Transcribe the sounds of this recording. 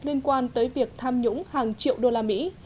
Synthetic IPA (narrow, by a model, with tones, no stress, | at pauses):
li˧ənkwaː˧nt̪əː˨˦jvi˨˩ək̚t̪ʰaː˧mɲʊ̰˧˥ŋ͡mhaː˨˩ŋt͡ɕḭ˧˨əwɗo˧laː˧mḭ˧˥